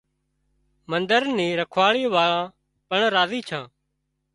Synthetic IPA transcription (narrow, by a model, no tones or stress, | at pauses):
mənd̪əɾniːɾəkʰʋaːɭiːʋaːɭãː | pəɳɾaːziːt͡ʃʰãː